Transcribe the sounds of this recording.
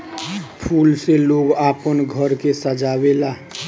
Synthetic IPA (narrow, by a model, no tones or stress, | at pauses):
pʰuːlseloːɡaːpənɡʱəɾkesəd͡ʒaːwelaː